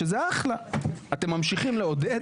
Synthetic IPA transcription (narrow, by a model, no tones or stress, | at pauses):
ezeaχlaat̪emːamʃiχimleod̪e